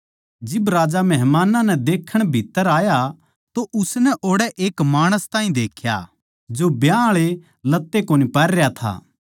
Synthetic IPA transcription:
d͡ʒɪbɾaːd͡ʒamɛɦmaːnanɛd̪eːkʰːəɽ̃bʱit̪ːəɾaːja | t̪oʔʊsnɛʔoːɽɛʔeːkmaːɽ̃əst̪aːĩd̪eːkʰja̰ | d͡ʒobjaːɭe | lɐt̪ːekoːnipɛɾɛjat̪ʰa̰ː

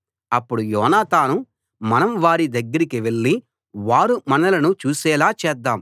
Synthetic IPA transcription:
ɐpːuɽujɔːnaːt̪aːnu | mɐnɐmʋaːɾid̪ɐɡːɐɾikiʋe̞ɭːi | ʋaːɾumɐnɐlɐnut͡ʃuːsɛːlaːt͡ʃɛːd̪ːaːm

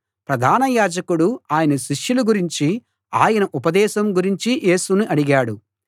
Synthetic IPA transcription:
pɾɐd̪ʱaːnɐjaːd͡ʒɐkuɽuaːjɐnɐʃiʂjuluɡuɾiɲt͡ʃi | a̰ːjɐnɐʔupɐd̪ɛːʃɐmɡuɾiɲt͡ʃijʔe̞ːsunuʔɐɽiɡaːɽu

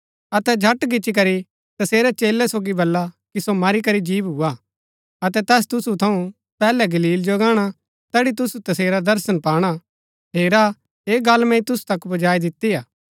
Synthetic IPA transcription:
ɐt̪ɛd͡ʒʱɐʈɡɪt͡ʃik̬ɐɾi | t̪ɐseːɾɛt͡ʃeːlːɛsoːɡibɐlːakisomaɾikɐɾid͡ʒiːbɦua | ɐt̪ɛt̪ɛːst̪ʊsut̪ʰɐ̃ũ | pɛːlɛɡɐliːld͡ʒoɡaːɽ̃a | t̪ɛːɽit̪̬ʊsut̪ɐseːɾad̪ɐɾsənpaːɽ̃a | ɦeːɾa | eːɡaːlmɛ̃it̪ʊsu̥t̪ɐkbɐd͡ʒaːid̪ɪt̪ːiaː

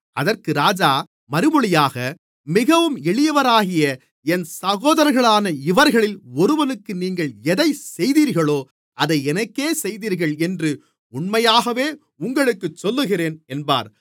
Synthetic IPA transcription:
ɐðɐrkɯɾaːd͡ʒaː | mɐɾɯmɔɭɪjaːɣɐ | mɪɣɐʋɯmɛɭɪjɐʋɐɾaːɣɪjɐ | ɛnsɐɣoːðɐɾɐɪɣɐɭaːnɐɪʋɐɾɣɐɭɪlɔɾɯʋɐnɯkːɯniːŋɡɐɭɛðɐɪsɛjðiːɾɣɐɭoː | ʔɐðɐɪɛnɐkːeːsɛjðiːɾɣɐɭɛndrɯ | ʊɳmɐjaːɣɐʋeː | ʊŋɡɐɭɯkːɯt͡ʃːɔlːɯɣɪreːnɛnba̰ːɾ

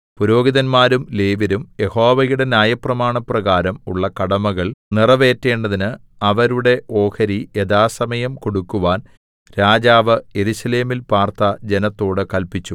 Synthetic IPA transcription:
puɾo̞ːɡiðɐnmaːɾumleːʋiɾumje̞ho̞ːʋɐjuɽe̞nʲjaːjɐprɐmaːɳɐprɐɣaːɾɐmṵɭːɐkɐɽɐmɐɣɐɭnirɐʋe̞ːtːe̞ːɳɖɐðinɨ | ɐʋɐɾuɽe̞ʔo̞ːkɐɾieðaːsɐmɐjɐmko̞ɽukːuʋaːn | ɾaːd͡ʑaːʋɨje̞ɾusɐle̞ːmilpaːrt̪ɐd͡ʑe̞nɐt̪ːo̞ːɽɨkɐlpit͡ɕːu

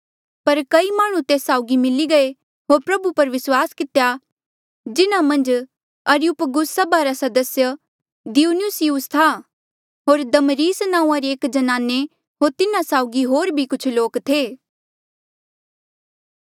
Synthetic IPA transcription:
pɐɾkɐimaːɽ̃ũt̪eːsaːʊɡimɪliɡɐe | ɦoːɾpɾɐbupɐɾʋɪswaːskɪt̪ja | d͡ʒɪnamɐ̃nd͡ʒ | ɐɾiʊpɡʊssɐbaɾasɐd̪əsjə | d̪iuːnʊsijust̪ʰa | ɦoːɾd̪ɐmɾiːsnãːũːãɾeeːkd͡ʒɐnaːne | ɦoːɾt̪ɪnãsaːʊɡiɦoːɾbʱikʊt͡ʃʰloːkt̪ʰeː

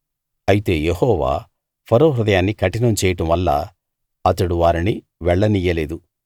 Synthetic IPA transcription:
ɐjit̪e̞ːjehɔːʋa̰ː | pʰɐɾoːɾud̪ɐjaːnːikɐʈinɐmt͡ʃɛːjɐʈɐmʋɐlːɐ̰ | ɐt̪ɐɽuʋaːɾini | ʋɛɭːɐnijɐleːd̪u

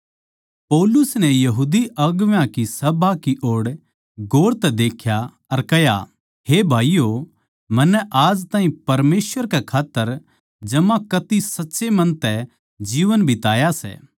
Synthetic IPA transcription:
pɔːlʊsnɛjɐɦuːd̪iɐɡʋjãkisɐbakiʔoːɽ | ɡoːɽt̪ɛd̪eːkʰja | ɐɾkɐja̰ | ɦeːbʱaːijo | mɐnːɛʔaːd͡ʒt̪ãːɦĩpɐɾmeːsʋəɾkɛkʰaːt̪ːəɾ | d͡ʒɐmãkɐt̪isɐtːʃemɐ̃nt̪ɛ | d͡ʒiːʋənbʱit̪aːjasɛ̰ː

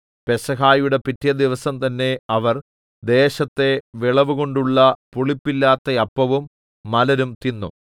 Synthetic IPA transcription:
pe̞sɐɦaːjuɽe̞pitːijɐd̪iʋɐsɐmt̪ɐnːe̞ɐʋɐr | d̪e̞ːɕɐt̪ːe̞ʋiɭɐʋuɣo̞ɳɖuɭːɐpuɭipːilːaːt̪ːɐjɐpːɐʋumː | ɐlɐɾumt̪inːṵ

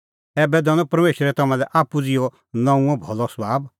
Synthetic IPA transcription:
ɛːbɛd̪ɐnɔpɐɾmeːʃɾɛt̪ɐmãlɛʔaːpud͡zɪjɔ | nɐ̃ũɔ̃bʱɔ̰lɔsbʱaːb

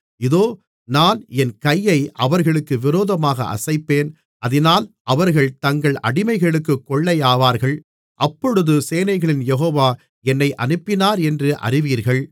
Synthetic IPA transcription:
ɪðoː | naːnɛnkɐjːɐɪʔɐʋɐɾɣɐɭɯkːɯʋɪɾoːðɐmaːɣɐ̰ʔɐ̰sɐɪpːeːn | ʔɐðɪnaːlʔɐʋɐɾɣɐɭt̪ɐŋɡɐɭʔɐ̰ɽɪmɐɪɣɐɭɯk̬ːɯkːɔɭːɐɪjaːʋaːɾɣɐɭ | ʔɐpːɔɽɯðɯseːnɐɪɣɐɭɪnjɛɦoːʋaː | ɛnːɐɪʔɐ̰nɯpːɪnaːɾɛndrɯʔɐ̰rɪʋiːɾɣɐɭ

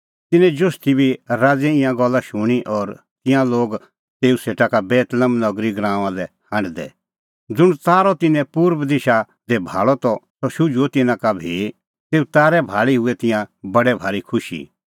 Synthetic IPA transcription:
t̪ɪnɛ̃d͡ʒʊst̪ibʱiɾaːd͡zɛɪ̃jãɡɔlːaʃʊɽ̃iʔɔɾ | t̪ɪ̃jãloːɡ | t̪eːuseːʈakabɛːt̪ləmnɔɡɾiɡɾãːʋãlɛ | hãɳɖd̪ɛ̰ | d͡zʊɽ̃taːɾɔt̪ɪnɛ̃puːɾʋd̪ɪʃa | d̪ɛbʱa̰ːɭɔt̪ɔsɔʃʊd͡ʒuot̪ɪnãkabʱi | t̪eːut̪aːɾɛbʱaːɭiɦʊɛt̪ɪ̃jãbɐɽɛbʱaːɾikʰʊʃḭ

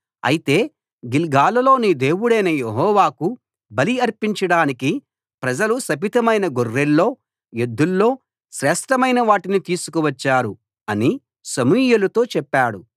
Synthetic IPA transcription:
ɐ̰jit̪e̞ː | ɡilɡaːlɐlo̞ːnid̪e̞ːwuɽɐjnɐjeɦɔːʋaːku | bɐliɐɾpiɲt͡ʃɐɽaːniki | pɾɐd͡ʒɐlusɐpit̪ɐmɐjnɐɡorːelːo̞ː | jed̪ːulːo̞ː | ʃɾɛːʂʈɐmɐjnɐʋaːʈinit̪iːsu̥kuʋɐt͡ʃːaːɾu | ɐni | sɐmuːjelut̪o̞ːt͡ʃɛpːaːɽu

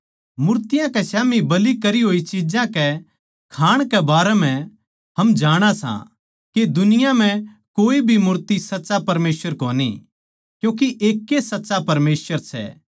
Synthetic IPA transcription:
mʊɾt̪ɪjãkɛsjaːmibɐlikɐɾiɦoːit͡ʃid͡ʒãkɛ | kʰaːɽ̃kɛbaːɾɛm̤ɛ̃ | ɦɐmd͡ʒaːɽ̃asã̰ | ked̪ʊnɪjam̤ɛ̃ | koːibʱimʊɾt̪isɐtːsapɐɾmeːsʋəɾkoːnḭ | kjũːk̬iʔeːkːesɐtːsapɐɾmeːsʋəɾsɛ̰

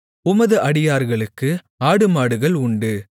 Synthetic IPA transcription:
ʊmɐðɯʔɐɽɪjaːɾɣɐɭɯkːɯ | aːɽɯmaːɽɯɣɐɭʊɳɖɯ

